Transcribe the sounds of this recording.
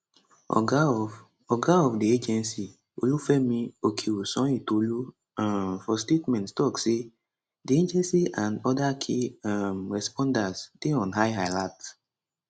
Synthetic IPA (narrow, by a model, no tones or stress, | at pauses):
ɔ̰ɡa | ɔɡaɔfdied͡ʒɛ̃nsi | o̰lufɛmĩokʰewusɔ̃itolu | afɔstetmɛ̃ntstɔkse | died͡ʒɛ̃nsiʔãndɔdakʰiamɹɛspɔ̃ndasd̥eɔ̃nɦajɦaɪlat